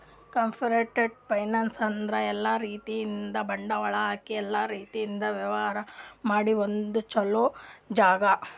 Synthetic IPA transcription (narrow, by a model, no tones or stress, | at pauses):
kɐmpʰiɾeːʈeɖ̚pɐjnaːnsɐnd̪ɾɐɛlːaɾiːt̪ijind̪ɐbɐɳɖɐʋɐɭɐɦaːkiɛlːaɾiːt̪ijind̪ɐʋjɐʋɐɦaːɾɐmaːɽiond̪ut͡ʃɐloːd͡ʒaːɡɐ